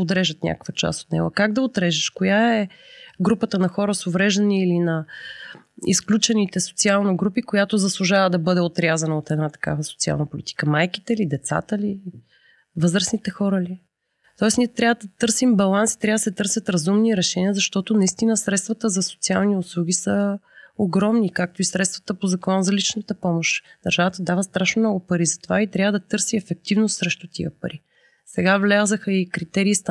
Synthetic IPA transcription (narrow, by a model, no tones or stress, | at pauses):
od̪ɾɛʒət̪nʲa̰kəkvət͡ʃa̰st̪o̥t̪nɛ̰ɡokaɡd̪ɐod̪ɾɛʒəʃkojaɛɡɾupət̪ənɐxɔɾəsovɾɛʒd̪ɐniːlinɐ | isklʲut͡ʃɛnit̪ɛso̥t̪sialˠnoɡɾupikojat̪ozɐslˠʊʒavəd̪ɐbɤd̪ɛot̪ɾʲjazɐnɐot̪ɛd̪nat̪ɐ̥ka̰vəso̥t̪sia̰lˠnəpolʲit̪i̥kəmajki̥t̪ɛlid̪ɛt̪sa̰t̪əli | vɤzɾəsnit̪ɛxɔɾəli | t̪ɔɛsniɛt̪ɾʲavəd̪ɐt̪ɤɾsimbɐlˠansi̥t̪ɾʲavəd̪əsɛt̪ɤɾsʲjɐt̪ɾɐzumniɾɛʃɛnʲiəzɐʃt̪ɔt̪ʊnɐist̪inəsɾɛt̪st̪vət̪əzɐso̥t̪sialˠniʊslˠuɡ̟isəoɡɾɔmnikak̚t̪oisɾɛt̪st̪və̥t̪əpozɐkɔnzɐlit͡ʃnət̪əpɔmoʃd̪̥ɐɾʒavət̪əd̪avəst̪ɾaʃnomnɔɡʊpɐɾizɐt̪ovait̪ɾʲavəd̪ɐt̪ɤɾsiɛfɛk̚t̪ivnossɾɛʃt̪ʊt̪ḭəpɐɾʔi | sɛɡavlʲazəxəikɾit̪ɛɾiːst̪